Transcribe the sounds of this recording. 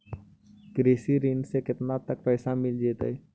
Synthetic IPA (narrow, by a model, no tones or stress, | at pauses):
kɾeːsiɾiːnsekɪt̪nat̪ək̚pɛːsamɪld͡ʒeːt̪e